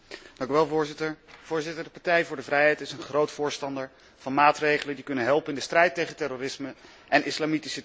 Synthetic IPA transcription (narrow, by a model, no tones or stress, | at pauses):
d̥ɑŋkyʋɛlˠvʊːɹzɪtəɹv̥ʊːɹzɪtəɹdəpɑɹtɛjvʊːɹdəvrɛjɦɛjtɪsənχrowtfʊːɹstɑndəɹ | v̥ɑnmaːtrejχələndikɵnənɦɛlˠpənɪndəstrɛjtejχəntɛroːrɪsmə | ʔɛnɪslaːmitisə